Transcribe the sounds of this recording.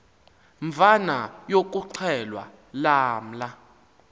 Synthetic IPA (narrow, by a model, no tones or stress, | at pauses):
ɱvanajok̬ʼuǀʰɛlwa̰ | laːm̩la